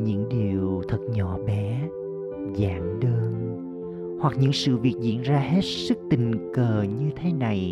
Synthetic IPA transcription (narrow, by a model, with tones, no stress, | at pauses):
ɲɨ̰˧˥ŋɗi˨˩əwt̪ʰə˨˩t̚ɲɔ˧˩ɓɛ˨˦ | zaː˨˩˦mɗəː˧n | hwa˨˩k̚ɲɨ̰˧˥ŋsɨ̰˧˨vi˨˩ək̚zḭ˧˥ənzaː˧he˦˥t̚sɨ˦˥k̚t̪ï˨˩ŋ̟kəː˨˩ɲɨ˧t̪ʰe˨˦na˨˩j